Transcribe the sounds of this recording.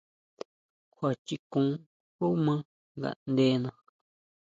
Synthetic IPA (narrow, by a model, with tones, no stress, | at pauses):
kʰʷa˨t͡ʃi˧kũ˨˦ | hu˦mã˦ | ŋɡa̰˨nd̪e˧nã˧